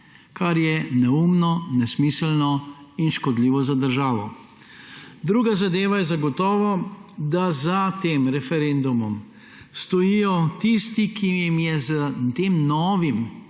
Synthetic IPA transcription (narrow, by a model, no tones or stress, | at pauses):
kaɾjɛnɛumnɔnɛsmislnɔinʃkɔd̪liːʋɔzad̪əɾʒaːʋɔ | d̪ɾuːɡazad̪eːʋajɛzaɡɔt̪ɔːʋɔd̪azat̪eːmɾɛfɛɾend̪umɔm | st̪ɔjijɔt̪ist̪ikijimjɛzət̪eːmnɔːʋim